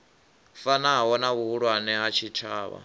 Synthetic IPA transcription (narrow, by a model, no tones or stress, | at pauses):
fanaɦaɦɔnaβuɦuɺwanɛɦat͡ʃʰitʰa̰ːβa̰